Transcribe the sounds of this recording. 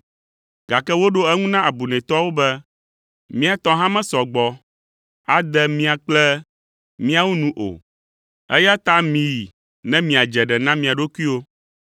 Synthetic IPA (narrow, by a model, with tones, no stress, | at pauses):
ɡa˨kɛ˦wo˦ɖo˦ɛ˦ŋũ˦nã˦ʔa˨bu˨nɛ̃˨t̪ɔ˦wo˦bɛ˦ | mĩ˦a˨t̪ɔ̃˦ɦã˦mɛ̃˦sɔ˨ɡ͡bɔ˨ | a˨d̪ɛ˦mĩ˦a˨k͡plɛ˦ | mĩ˦a˨wu˦nũ˦ʔo̰˨ | ɛ˦ja˦t̪a˦mĩ˨i˨ | nɛ̃˦mĩ˨a˨d͡ʒɛ˨ɖɛ˨nã˦mĩ˨a˨ɖo˦ku˦i˦wo˦